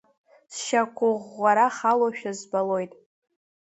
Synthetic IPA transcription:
sʃakʷʰʊʁːaɾaχaloʃᶣazbalo̞jtʼ

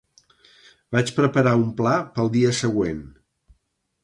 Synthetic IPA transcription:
bat͡ʃpɾəpəɾaumplapəlˠd̪iəsəɣwen

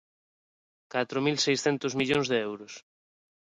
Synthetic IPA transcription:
kat̪ɾomilsejsθɛnt̪ʊzmiʎoŋzðeɛwɾʊs

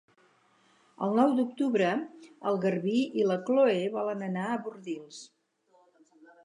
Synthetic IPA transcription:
ə̰lˠnɔwd̪uk̚t̪uβɾəəlˠɣərβiʔiləkloeβɔlənənaəβuɾðilˠs

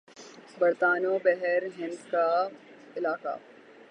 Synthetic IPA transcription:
bɐɾt̪aːnoːbɛɦɛɾɦɪ̃nd̪ka | ɪlaːka̰ː

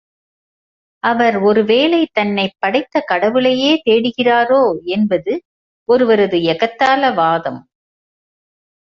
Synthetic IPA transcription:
ʔɐʋɐɾɔɾɯʋeːlɐɪt̪ɐnːɐɪpːɐɽɐɪt̪ːɐkɐɽɐʋɯlɐjeːt̪eːɽɯɣɪraːɾoːɛnbɐðɯ | ʔɔɾɯʋɐɾɐðɯɛɣɐt̪ːaːlɐʋaːðɐm

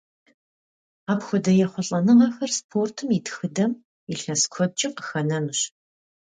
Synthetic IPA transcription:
aːpxʷʊdɐjɛχʷʊɬʼɐnɨʁɐxɐrspʰoːrtʰɨmitxɨdɐm | iɬɐskʷʰɔd̚t͡ʃʼɪqə̥xɐnɐnɨɕ

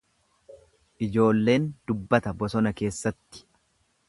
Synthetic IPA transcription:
ʔɪd͡ʒo̞ːlːe̞ːnd̪̥ʊbːɐt̪ɐbɔsɔnɐke̞ːsːɐt̪ːɪ̥

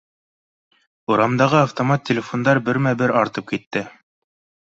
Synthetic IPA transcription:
uɾɑmd̪ɑʁɤaft̪omat̪ʲːɪlʲɪfond̪ɑɾbɘɾmæbɘɾɑɾt̪ɤp̚kit̪ːɘ

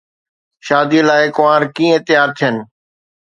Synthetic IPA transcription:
ʃaːd̪ilaːɪkʊʋãːɾkĩːɪ̃t̪ɪjaːɾt̪ʰijənɪ̆

